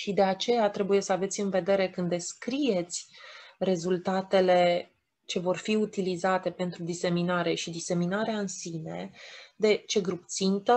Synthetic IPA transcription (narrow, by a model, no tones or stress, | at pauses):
ʃid̪e̞at͡ʃe̞jat̪ɾe̞buje̞səave̞t̪sʲɨnve̞d̪e̞ɾe̞kɨnd̪eskɾije̞t̪sʲɾe̞zult̪at̪e̞le̞ | t͡ʃe̞vo̞rfiut̪ilizat̪e̞pe̞nt̪ɾud̪ise̞minaɾe̞ʃid̪ise̞minaɾeaɨnsine̞̰d̪e̞t͡ʃe̞ɡɾup̚t̪sint̪ə